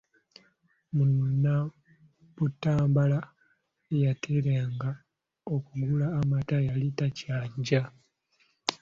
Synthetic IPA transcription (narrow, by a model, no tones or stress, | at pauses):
munna | βutːaːmbala | ejatʰeɾaːŋɡa | okuɡulaːmatajalitacaːɲɟa